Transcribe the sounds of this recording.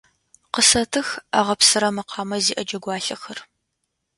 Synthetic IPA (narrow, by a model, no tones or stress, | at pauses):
qəsɐtʰɨxa̰ːʁɐpsɨɾɐmɨqʰɑːmɐziːʔɐd͡ʒɐɡʷɑːɬɐxɐr